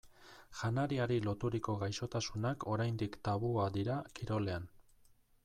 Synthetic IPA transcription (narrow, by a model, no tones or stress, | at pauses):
ʝanaɾiaɾilo̞t̪uɾiko̞ɣajʃo̞t̪asunakʰo̞ɾajnd̪ikt̪aβuad̪iɾakiɾo̞le̞an